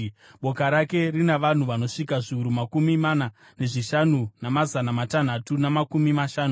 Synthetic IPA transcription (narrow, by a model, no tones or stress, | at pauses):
ɓo̞kaɾake̞rinaʋan̤uʋano̞ʂikaʐiuɾumakumimana | ne̞ʐiʃanunamazanamatan̤atunamakumimaʃaːnu